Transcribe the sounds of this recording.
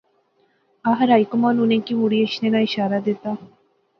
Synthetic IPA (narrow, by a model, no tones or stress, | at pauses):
aɦɾajkomanunẽkimuɽieʃnenaiʃaːɾad̪et̪a